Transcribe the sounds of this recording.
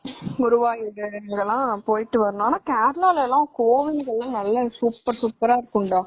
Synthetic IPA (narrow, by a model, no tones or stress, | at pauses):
ʊɾʊʋaːjɪɾɡɐlːãːpoːjɪʈːɯʋɐɾɐnõaːnaːkaːɾɐlaːlɛlːãːkoːʋɪŋɡɐɭːɐ̃nɐlːɐsuːpːɐɾsuːpːɐɾaːɪɾɯkːʊɳɖãː